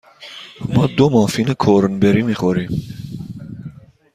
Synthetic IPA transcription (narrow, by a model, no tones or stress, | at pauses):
mɑːd̪omɑfinəkʰoːɾənbɛɾimixoɾi